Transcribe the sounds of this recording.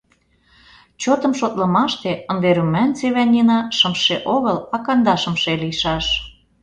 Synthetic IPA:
t͡ɕot̪ə̆mʃot̪lɤ̆mɑʃt̪eə̆nd̪eɾymːænt͡seβænʲinɑʃə̆mʃeʔoɣɤlɑkɑnd̪ɑʃəmʃelijʃɑʃ

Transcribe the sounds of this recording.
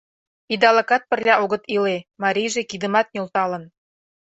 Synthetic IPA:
id̪ɑlɤ̆kɑt̪̚pə̆rlʲɑʔoɣə̆t̪ilemɑɾʲijʒekid̪ə̆mɑt̪̚nʲolt̪ɑlə̆n

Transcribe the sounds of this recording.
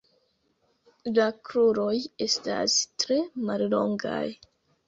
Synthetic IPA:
lakɾuɾo̞je̞sta̰stɾe̞mallo̞ŋɡa̰j

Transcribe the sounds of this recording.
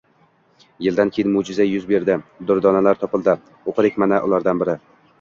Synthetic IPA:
jɪld̪ankʲʰejɪnmʊd͡ʒɪzajʊzbe̞ɾd̪ɪd̪ʊɾd̪ɒnalaɾt̪ʰɒpɪlˠd̪ɪ | oqʰɨd̪ɪkʲmanaʔʊlˠaɾd̪anbɪɾɪ

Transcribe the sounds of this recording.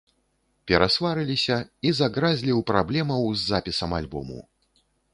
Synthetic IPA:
pʲɛɾasvaɾɨlʲisʲɐizaɣɾazʲlʲiwpɾablʲɛmɐwzʲːapʲisɐmalʲbɔ̰mṵ

